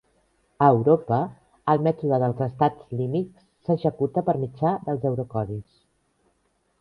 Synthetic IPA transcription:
əwɾopəː | lˠmɛt̪uðəðəlˠzəst̪ad͡zlimiksːəʒəkut̪əpəɾmid͡ʒad̪əlˠzəwɾukɔðis

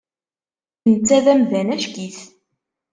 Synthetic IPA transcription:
nt͡sːæðæmðænæʃɡiθ

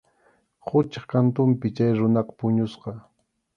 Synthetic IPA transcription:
hʊt͡ʃɑχkant̪ʊmpɪt͡ʃajɾʊnɑqɑ̥pʊɲʊsqɑ

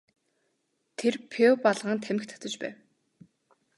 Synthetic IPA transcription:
t̪ʰerpʰepaɮʁaːnt̪ʰæmɘ̆kt̪ʰḁt͡s̪ə̆t͡ɕpæ̰ːw

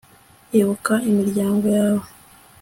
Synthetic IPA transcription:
eβokaimiɾɟaːŋɡo̞jaːβo

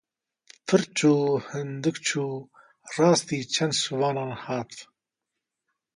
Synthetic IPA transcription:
pʰɨɾt͡ʃʰuːhɨnd̪ɨkt͡ʃʰuː | rɑːst̪iːt͡ʃʰɐnd̪suwɑːnɑːnhɑːt̪

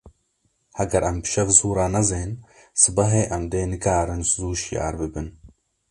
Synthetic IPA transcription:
hɐɡɐɾʔɐmbʃɐɣzuːɾaːnɐzeːn | sɨbɐɦeːʔɐmd̪eːnɨkaːɾɨnszuːʃija̰ːɾbɨbɨn

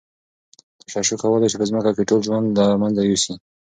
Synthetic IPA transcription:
t̪aʃaʃukawəlajt͡ʃepəzməkakeʈolʒwand̪lamanzajusi

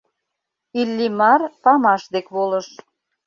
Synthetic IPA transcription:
ilːimɑrpɑmɑʃd̪ekβoləʃ

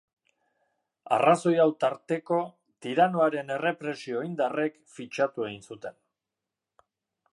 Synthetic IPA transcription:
a̰raso̞jawt̪aɾt̪e̞ko̞ | t̪iɾano̞aɾe̞ne̞re̞pɾe̞sio̞ind̪are̞kfit͡ʃat̪ue̞ɣinsut̪e̞n

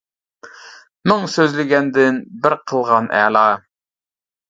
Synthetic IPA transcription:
mʊŋsøzlɪɡʲɛnd̪ɪnbɪɾqʰəlˠʁɑnʔæ̰ːlˠɑː

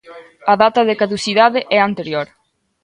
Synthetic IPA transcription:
ɐðat̪ɐðɪkaðusiðaðɪʔɛant̪eɾjoɾ

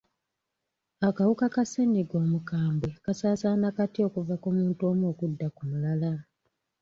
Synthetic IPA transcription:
akawukakaseniɡo̞ːmukaːmbwe̞kasaːsaːnakatio̞kuvakumuːnto̞ːmo̞ːkudːakumulala

